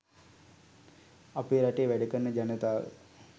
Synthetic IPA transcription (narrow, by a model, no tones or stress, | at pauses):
apeɾaʈeːʋæɖəkərnːəd͡ʒanət̪aːʋə̰